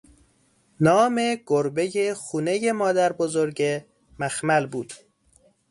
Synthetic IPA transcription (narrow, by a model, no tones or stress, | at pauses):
nɒːmeɡ̥oɾbe̞jexuːne̞jemɒːd̪æɾbozoɾɟe | mæxmælbuːd̪̥